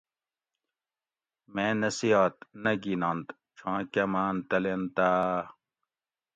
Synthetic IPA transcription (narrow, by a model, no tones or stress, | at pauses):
mẽːnɐsiaːt̪nɐɡinãːnt̪ | t͡ɕʰãːkɐmaːnt̪ɐlent̪aː